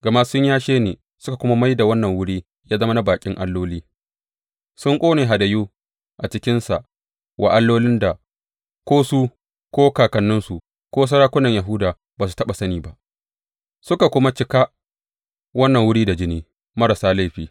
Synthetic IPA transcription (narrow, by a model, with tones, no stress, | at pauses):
ɡɐ˨ma˦sʊ˦ɲjaː˦ʃeː˦neː˨ | sʊ̥˦ka˨kʷʊ˦ma˦ma˦jda˨wɐ˦nːɐ˨ŋwʊ˦ɽiː˦ | jaː˦zɐ˦mɐ˦na˦baː˨kʲʼɪ˦ŋʔa˦lːoː˦liː˦ | sʊ˦ŋkʷʼoː˦neː˨ɦa˨dɐ˨juː˦ | ʔa˨t͡ʃɪ˦kʲɪ˦nsa˨ʔ | wʔa̰˨ʔa˦lːoː˦lɪ˦nda˨ | kʷoː˦su˦ | kʷoː˦kaː˨kɐ˨nːʊ˦nsu˨ | kʷoː˦s̬ɐ˦ɽaː˦kʷʊ˦nɐ˨ɲja˨ɦʊ˦daː˨ | baː˨s̬u̥˨tɐ˦ɓa˨sɐ˦niː˨ba˦ʔ | sʊ˦ka˨kʷʊ˦ma˦t͡ʃɪ˦ka˦ | wɐ˦nːɐ˨ŋwʊ˦ɽiː˦da˨d͡ʒɪ˦niː˦ | mɐ˦ɾa˨saː˦la˦jɸiː˨